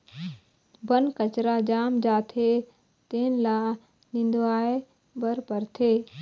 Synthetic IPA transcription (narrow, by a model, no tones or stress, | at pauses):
bənkət͡ʃɾad͡ʒaːmd͡ʒaːt̪ʰe | t̪eːnla | nĩːn̆d̪oaːe | bəɾpɐɾt̪ʰeː